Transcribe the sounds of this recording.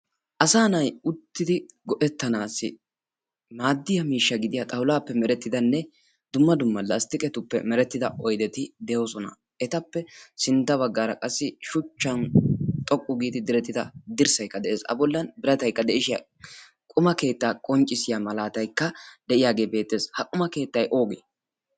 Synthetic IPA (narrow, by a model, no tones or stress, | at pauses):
ʔɐsaːnɐjʊt̪ːɪd̪ɪɡɔʔɛt̪ːɐnaːsːɪ | maːd̪ːɪjɐmiːʃːɐɡɪd̪ɪjɐt̪ʼɐwlaːpːɛmɛɾɛt̪ːɪd̪ɐnːɛ | d̪ʊmːɐd̪ʊmːɐlːɐst̪ɪkʼɛt̪ʊpːɛ̰mɛɾɛt̪ːɪd̪ɐʔɔjd̪ɛt̪ɪd̪ɛjoːsɔnɐ̰ | ɛt̪ɐpːɛsɪnt̪ːɐβɐɡːaːɾɐkʼɐsːɪʃʊt͡ʃːɐnt̪ʼɔkʼːʊɡiːt̪ɪd̪ɪɾɛt̪ːɪd̪ɐd̪ɪɾsɐjkːɐd̪ɛʔeːsɐ̰bɔlːɐnbɪɾɐt̪ɐjkːɐd̪ɛʔɪʃɪjɐ̰ | kʼʊmɐke̞ːt̪ːaːkʼɔnt͡ʃʼːɪsɪjamɐlaːt̪ɐjkːɐd̪ɛʔɪjaːɡe̞ːbe̞ːt̪ːe̞ːshɐkʼʊmɐke̞ːt̪ːɐjʔo̞ːɡḛː